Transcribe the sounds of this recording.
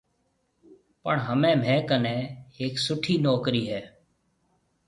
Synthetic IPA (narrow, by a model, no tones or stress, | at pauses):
pəɳɦəmẽːmɛ̃ːkənẽːeːksʊʈʰiːnɔːkɾiːɦɛː